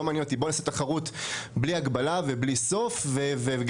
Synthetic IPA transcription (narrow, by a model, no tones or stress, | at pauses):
omanjɛnot̪ibo̞naːset̪aχaʁut̪bliaɡbalavebliso̞fveveveɡ